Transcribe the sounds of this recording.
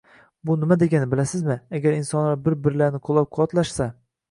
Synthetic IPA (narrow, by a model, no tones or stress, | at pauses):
bʊnɪmad̪e̞ɡʲanɪbɪlasɪzmɪaɡʲaɾɪnsɒnlaɾbɪɾbɪɾlaɾnɪqʰolˠap̚qʰwɒt̪laʃsa